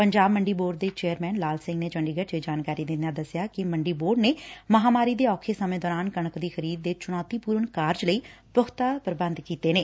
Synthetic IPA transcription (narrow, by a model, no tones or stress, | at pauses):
pəɲd͡ʒaːbməɳɖiːboːɖ̚d̪eːt͡ʃeːəɾmɛːnlaːlsɪ̃ŋɡneːd͡ʒə̃ɳɖiːɡət͡ʃed͡ʒaːnkaːɾiːd̪ɪnãːd̪əsjaːkɪməɳɖiːboːɖneːməɦaːmaːɾiːd̪eːɔːkʰeːsəmẽːd̪ɔːɾaːnkəɳəkd̪iːxʰəɾiːd̪̚ːeːt͡ʃʊɽ̃ɔːt̪iːpuːɾəɳkaːɾd͡ʒləiː | pəɦt̪aːpəɾbə̃nd̪kiːt̪eːneː